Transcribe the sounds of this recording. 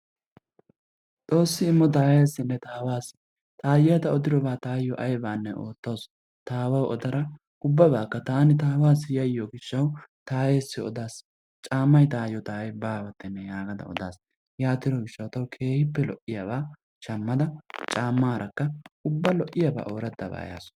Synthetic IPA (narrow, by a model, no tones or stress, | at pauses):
t̪ʼo̞ːsːɪːmːɔt̪̬aːjeːsːɪnːɛt̪aːwaːs | t̪ʰʼaːjɪjɐt̪ɐɔd̪ɪɾɔbaːt̪aːjɔʔɐjbaːnːɛʔoːt̪ːo̞ːs | t̪aːwɐwʔɔd̪ɐɾɐ | ʊbːɐbaːkːɐt̪aːnɪt̪aːwaːsɪjɐɪjɔɡɪʃːɐwt̪aːjeːsːɪɔ̰d̪aːs | t͡ʃʼaːmːɐjt̪aːjɔt̪aːjɛbaːwɐt̪ːɛnːɛjaːɡɐd̪ɐ̰ɔ̰d̪aːs | jaːt̪ɪɾɔɡɪʃːɐwt̪ɐwkʰe̞ːhɪpːɛlɔʔːɪjɐbaː | ʃɐmːɐd̪ɐt͡ʃʼaːmːaːɾʔɐkːɐʊbːɐlɔʔːɪjɐba̰ːʔo̞ːɾɛd̪ːɐ̰ba̰ːja̰ːs